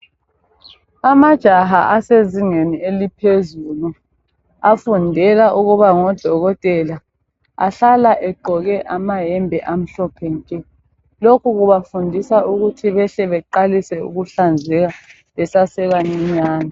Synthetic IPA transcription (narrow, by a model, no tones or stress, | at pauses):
amad̥ʒ̥ʱaɦa̰ʔaseziŋenielipʰezuːlu | afundʱɛlaʔuɣuβaŋɔd̥ʱɔɣɔtʼɛla | a̰ɬalaʔɛɡ͡ǃʱɔɣɛʔamaɦɛmbʱɛʔam̩ɬɔpʰɛnkʼɛ | lokʰuɣuβafundʱisaʔuɣutʰiβɛɬɛβɛǃalisɛṵɣuɬand͡zʱɛɣa | ɛsasɛβaɲiɲaːna